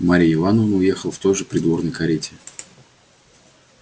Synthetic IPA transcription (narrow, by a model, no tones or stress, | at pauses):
maɾʲɪɪvanəvnəʊje̞xəlˠft̪o̞jʐɨpɾʲɪd̪vo̞rnəjkɐɾʲetʲɪ